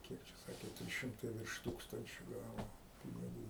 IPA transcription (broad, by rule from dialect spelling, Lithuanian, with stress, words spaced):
ˈkʲiɛk t͡ʃʲɛ ˈsɑːkʲeː ˈtʲrʲiːs ˈʃʲɪmtɐɪ ʋʲɪrʃ ˈtuːkstɐnʲt͡ʃʲoː ˈɡɑːʋoː pʲɪnʲɪˈɡuː